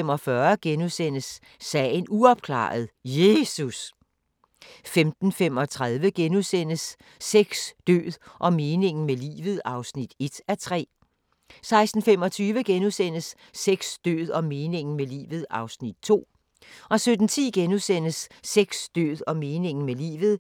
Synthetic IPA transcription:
emɒ̽fɶɐɡ̥enusen̰əsː | ɛ̰ːnuɒ̽b̥̚kʰlɑ̰̈ːð̞̩ˠje̝sus | femd̥n̩fem̰ɒ̽t͡sʰʁaðˠʋəɡ̥enusen̰əsː | eɡ̥sd̥ø̰ːðˠʔɒ̽me̝ːne̝ŋn̩melḭːʋð̩ˠɑ̈ʊsnid̥e̝d̥æɐt͡sʰʁɛ̰ː | sɑ̈ɪsd̥n̩fem̰ɒ̽t͡sʰyːʋəɡ̥enusen̰əsː | eɡ̥sd̥ø̰ːð̞̩ˠɒ̽me̝ːne̝ŋ̰n̩melḭːʋð̞̩ˠɑ̈ʊsnid̥̚t͡sʰo̝̰ː | ʔɒ̽sød̥n̩t͡sʰḭːɡ̥enusen̰əsːeɡ̥sd̥ø̰ːðˠɒ̽me̝ːne̝ŋ̰n̩melḭːʋð̞̩ˠ

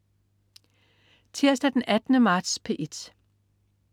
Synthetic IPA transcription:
t͡sʰiɐ̰sd̥æd̥enʔæd̥nəmɑ̈ːd̥spʰe̝ʔed̥

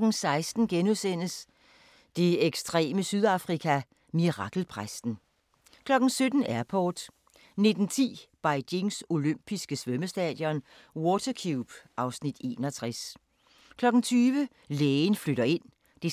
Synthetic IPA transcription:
ɡ̥n̩sɑ̈ɪsd̥n̩ɡ̥enuðˠsen̰əs | d̥e̝eɡ̥sd̥ʁɛ̰ːməsyð̞ˠɑ̈fʁikʰæ | miʁɑ̈ɡ̥l̩pʰʁasd̥n̩ | kʰlɒ̽ɡ̥n̩sød̥n̩æɐpʰɒːd̥ | ne̝d̥n̩t͡sʰḭːb̥ɑ̈ɪde̝ŋso̝løm̰b̥isɡ̥əsʋœməsd̥ɛ̰ð̥ˠjɒ̽n | wɔːt͡sʰɐkʰjub̥ʔɑ̈ʊsnid̥e̝̰ːnɒt͡sʰʁas | kʰlɒ̽ɡ̥n̩t͡sʰyːʋə | leːnfløɾ̥ɐe̝n̰ | d̥e

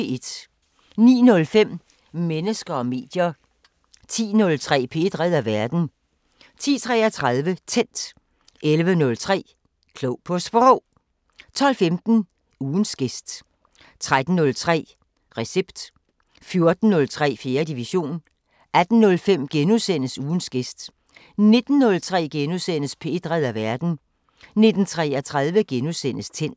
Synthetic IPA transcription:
ed̥ | nḭːnɔ̽lfem̰ | menəsɡ̥ɐɒ̽me̝̰ːd̥jɐ | t͡sʰḭːnɔ̽lt͡sʰʁɛ̰ːpʰe̝̰d̥ʁɛð̰ˠæʋæɐd̥n̩ | t͡sʰḭːt͡sʰʁɛ̰ːɐt͡sʰʁɑðˠʋət͡sʰen̰d̥ | elʋənɔ̽lt͡sʰʁɛ̰ː | kʰlɔʊpʰɒ̽sb̥ʁɔ | t͡sʰɒ̽l̰femd̥n̩ | uːn̩sɡ̥e̝sd̥ | t͡sʰʁad̥n̩ːɔ̽lt͡sʰʁɛ̰ː | ʁɛseb̥d̥ | fjo̝ɐd̥n̩ːɔ̽lt͡sʰʁɛ̰ːfje̝ːɐdiʋiɕo̝̰ːn | æd̥n̩ːɔ̽lfem̰ɡ̥enusen̰əsuːn̩sɡ̥e̝sd̥ | ne̝d̥n̩ːɔ̽lt͡sʰʁɛ̰ːɡ̥enusen̰əspʰe̝ːd̥ʁɛðˠæʋæɐd̥n̩ | ne̝d̥n̩t͡sʰʁɛːɐt͡sʰʁaðˠʋəɡ̥enusen̰əst͡sʰen̰d̥

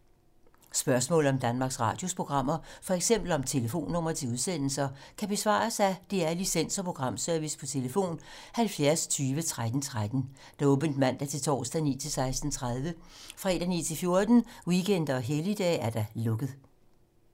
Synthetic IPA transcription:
sb̥ɶɐsmɔ̰̽ːlð̩ˠɒ̽md̥ænmɑ̈ːɡ̥sʁɑ̰̈ːd̥jo̝spʰʁo̝ɡ̥ʁɑ̈m̰ɐfɒ̽eɡ̥sem̰b̥l̩ɒ̽mt͡sʰe̝ləfo̝̰ːnːɔ̽m̰ɐt͡sʰe̝uð̞ˠsen̰l̩sɐkʰæb̥e̝sʋɑ̰̈ːsæd̥eæɐlisen̰sɒ̽pʰʁo̝ɡ̥ʁɑ̈m̰søɐʋispʰɒ̽t͡sʰe̝ləfo̝̰ːn | hælfjæɐst͡sʰyːʋət͡sʰʁad̥n̩t͡sʰʁad̥n̩ | d̥ɔ̽ːb̥ənd̥mæn̰d̥æɐt͡sʰe̝lt͡sʰɒ̰ːsd̥ænḭːt͡sʰe̝lsɑ̈ɪsd̥n̩t͡sʰʁað̞ˠʋəfʁɛ̰d̥æniːt͡sʰe̝lfjo̝ɐd̥n̩wiɡ̥ʰen̰d̥ɐɒ̽ɦelid̥ɛ̰ːæɐd̥æ̈lɔ̽ɡ̥ð̞̩ˠ

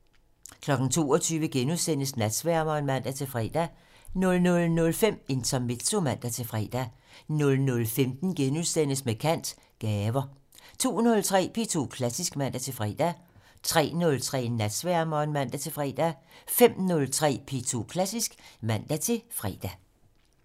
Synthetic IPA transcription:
kʰlɒ̽ɡ̥n̩t͡sʰo̝̰ːɒt͡sʰyːʋəɡ̥enuðˠsen̰əsnæd̥sʋæɐ̰mɐenmæn̰d̥æt͡sʰe̝fʁɛ̰ːd̥æ | nɔ̽lnɔ̽lnɔ̽lfem̰e̝nt͡sʰɒme̝d̥sʰo̝mæn̰d̥æt͡sʰe̝fʁɛ̰ːd̥æ | nɔ̽lnɔ̽lfemd̥n̩ɡ̥enuðˠsd̥en̰əsmekʰæn̰d̥ | ɡ̥ɛːʋɐ | t͡sʰo̝̰ːnɔ̽lt͡sʰʁɛ̰ːpʰe̝t͡sʰo̝̰kʰlæsisɡ̥mæn̰d̥æt͡sʰe̝fʁɛ̰ːd̥æ | t͡sʰʁɛ̰ːnɔ̽lt͡sʰʁɛ̰ːnæd̥sʋæɐ̰mɐe̝nmæn̰d̥æt͡sʰe̝fʁɛ̰ːd̥æfem̰nɔ̽lt͡sʰʁɛ̰ːpʰe̝t͡sʰo̝kʰlæsisɡ̥mæn̰d̥æt͡sʰe̝fʁɛ̰ːd̥æ

